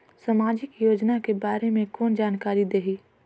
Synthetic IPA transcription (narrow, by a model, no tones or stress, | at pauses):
samaːd͡ʒɪkjoːd͡ʒnakebaːɾemẽkɔːnd͡ʒaːnkaːɾid̪eːɦiː